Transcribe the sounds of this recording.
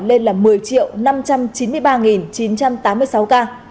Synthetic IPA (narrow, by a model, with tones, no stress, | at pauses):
le˧nlaː˨˩mɨ˨˩əjt͡ɕḭ˧˨əwna˧mt͡ɕa˧mt͡ɕi˨˦nmɨ˧əjɓaː˧ŋi˨˩nt͡ɕi˨˦nt͡ɕa˧mt̪aː˨˦mːɨ˧əjsa˨˦wkaː˧